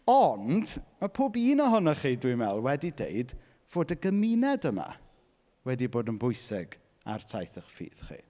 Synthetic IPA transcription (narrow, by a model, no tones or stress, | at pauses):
ɔnd̥mapʰoːbiːnɔɦɔnɔχiːdwimɛlˠwɛdidḛɨd | v̥oːdəɡəminɛdəma̰ | wɛdiboːdənbʊjsɪɡ̥ | a̰rtʰajθəχfḭːð̥χḭː